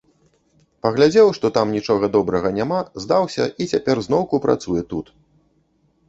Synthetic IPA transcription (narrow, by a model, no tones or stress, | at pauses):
pɐɣlʲad͡zʲɛwʂt̪ɔt̪amnʲit͡ʂɔɣɐd̪ɔbɾɐɣɐnʲamazd̪awsʲɐ̰it͡sʲapʲɛrznɔwkupɾʔa̰t̪sujɛt̪ut̪